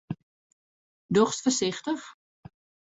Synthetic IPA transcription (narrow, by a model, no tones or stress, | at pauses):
dɔχstfərsɪxtəx